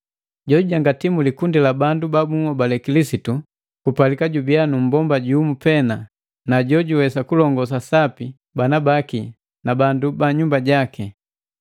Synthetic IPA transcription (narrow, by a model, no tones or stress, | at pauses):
ɟɔɟuɟaŋɡatimulikundilabandubabuŋɔbalɛkilisitu | kupalikaɟubianum̩bɔmbaɟumupɛna | naɟɔɟuwɛsakulɔŋɡɔs̬asapi | banabaki | nabandubaɲumbaɟaki